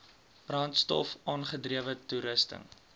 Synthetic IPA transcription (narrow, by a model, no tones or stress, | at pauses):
b̥rɑntstɔ̰fɑːnχədriəvətuɾəstə̰ŋ